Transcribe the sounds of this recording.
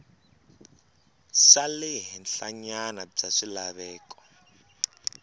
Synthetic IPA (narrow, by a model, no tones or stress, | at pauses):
salɛɦɛnɬaɲanab͡ʐaʂilaβɛːkɔ̥